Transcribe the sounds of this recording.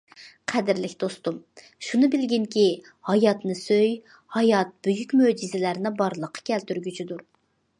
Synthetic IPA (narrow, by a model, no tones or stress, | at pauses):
qʰæd̪ɪɾlɪkʲd̪̥ost̪um | ʃunɨbɪlɡʲiŋkʲi | hɑjɑt̪nɨsøj | hɑjɑt̪̚b̥øjykʲmød͡ʒizɪlæɾnɪbɑɾlˠəqʰːɑ̥kʲʰɛlt̪yɾɡʲyt͡ʃʰid̪uɾ